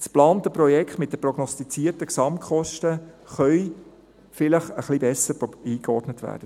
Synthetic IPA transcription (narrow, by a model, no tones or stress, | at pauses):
splɑːnt̪əpɾɔjɛkχtmɪt̚dəprɔɡnɔstit͡siːərtəksɑmtχɔʃtə | χœʏ | fɪləχəχlibɛsːəɾiːkɔɾdnətʋæ̰ːɾd̥ə